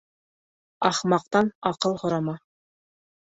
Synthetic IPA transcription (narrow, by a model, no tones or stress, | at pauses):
ɑχmɑq̚t̪ɑnɑqɤlˠhŏɾɑmɑ